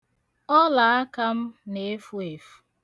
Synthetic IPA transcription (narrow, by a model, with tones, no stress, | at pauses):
ɔ˦la˨a˦ka˦m̩˦ne˨˦fu˦e˨fu̥˨